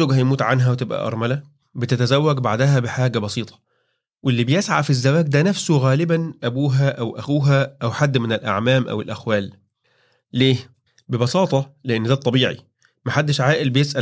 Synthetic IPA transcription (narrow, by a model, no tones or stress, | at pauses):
oːɡhæjmuːt̪ʕanɦæwet̪ebʔæ̰ʔɑ̰ɾˤmælæ | bet̪æt̪æzæwːæɡbaʕd̪æɦæbeħaːɡæbɑsiːt̪ˤɑ̥ | welːibejesʕa̰fizːæwæːɡ̚d̪ænæfsoɣæːlɪbænʔæbuːɦæʔæwʔæxuːɦæʔæwħad̪ːmenelʔa̰ʕmæːmʔæ̰welʔæxwæːlː | eː | bebɑsɑːt̪ˤɑleʔenːd̪æːt̪ˤːɑbiːʕḭ | mæħad̪ːeʃʕaːʔelbejesʔæ